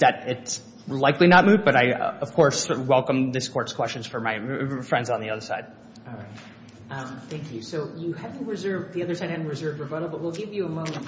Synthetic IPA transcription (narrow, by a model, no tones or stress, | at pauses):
ðɨɾɪts | laɪklinət̚mʉvbʌɾaɪ̰ʌv̥kʰɔɹswɛlˠkə̃mðɪskʰɔɹtskʰw̥ɛst͡ʃɨ̃n̩z̥fə˞maɪfɹɛ̃ndzn̩ðiʌðə˞sa̰ɪd̥̚ | ɹaɪt | ʌ̃mθæ̃ŋkʰjʉsoʊjɨæṽɹɨzɜ˞vðiʌðə˞saɪd̚ɨṽnɹɨzɜ˞və˞bʌɾl̩ˠbʌt̚wilˠɡɪvjɨəmʌ̃ŋ̃n